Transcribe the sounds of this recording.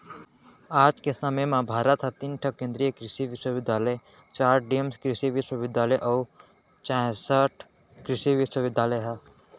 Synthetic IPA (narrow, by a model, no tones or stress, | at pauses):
aːd͡ʒkesəmemãbʱaːɾət̪ɦɛt̪inʈʰɐkːẽːnd̪ɾijəkɾɪʃiʋɪʃwəʋɪd̪jaːləe | t͡ʃaːɾɖijəmskɾɪʃiʋɪʃwəʋɪd̪jaːləjʔɔː | t͡ʃãsəʈʰ | kɾɪʃiʋɪʃwəʋɪd̪ʱjaːləjɦɛ